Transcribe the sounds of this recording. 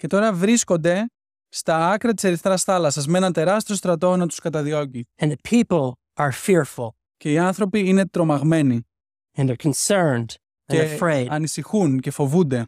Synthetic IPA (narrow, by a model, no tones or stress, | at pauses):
ce̞t̪o̞ɾɐvɾisko̞nd̪e̞ | st̪ɐɐkɾɐt̪i̥se̞ɾiθt̪eɾɐsθɐlɐsɐzme̞nɐnt̪e̞ɾɐst̪io̞st̪ɾɐt̪o̞nɐt̪uskɐt̪ɐðio̞ciɨ̃nðəpʰipl̩ˠ | ʔə˞fɪɹfl̩ˠ | ce̞iɐnθɾo̞piine̞t̪ɾo̞mɐɣme̞ni | ɨ̃nðə˞kʰn̩sɜ̃˞nd | efɹeɪɐnisixunce̞fo̞vund̪e̞